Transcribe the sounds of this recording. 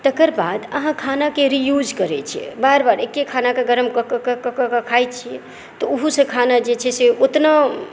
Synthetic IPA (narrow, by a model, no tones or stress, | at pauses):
t̪əkəɾbad̪ə̰ɦãkʰanakeɾijud͡ʒkəɾɛt͡ʃʰiɛ̰baɾbaɾekːekʰanakeɡəɾəmkəkəkəkəkəkəkʰajt͡ʃʰiɛ | t̪ɔuɦusə̃kʰanad͡ʒet͡ʃʰɛseot̪na